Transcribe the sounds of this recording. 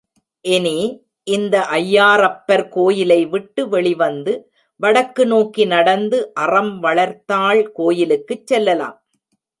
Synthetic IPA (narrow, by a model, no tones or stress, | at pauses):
ʔɛneː | ʔɪnd̪ɐʔɐjːaːɾɐpːɐɾkoːjɪlɐɪʋɪʈːɯʋɛɭɪʋɐnd̪ɯ | ʋɐɽɐkːɯnoːkinɐɽɐnd̪ɯʔɐrɐmʋɐɭɐɾt̪ːaːɭkoːjɪlɯkːɯt͡ʃːɛlːɐla̰ːm